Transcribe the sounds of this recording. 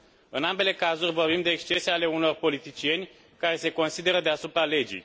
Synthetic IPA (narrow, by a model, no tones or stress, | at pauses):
ɨnambe̞le̞kazurʲvo̞rbimd̪e̞ːkst͡ʃe̞seale̞uno̞rpo̞lit̪it͡ʃije̞nʲ | kaɾe̞se̞ko̞nsid̪e̞ɾəd̪easupɾale̞d͡ʒḭj